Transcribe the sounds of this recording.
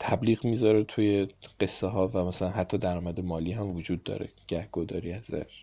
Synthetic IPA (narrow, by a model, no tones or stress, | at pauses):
t̪ʰæbliːɣmiːzɒːɾet̪ʰujeɢ̥e̞sːeɦɒːvæmæsælænɦæt̪ʰːɒːd̪æɾɒːmæd̪e̞mɒːliːhæmvod͡ʒuːd̪ːɒ̰ːɾḛɟ̥æhɡ̥od̪ɒ̰ːɾiæzæ̰ʃ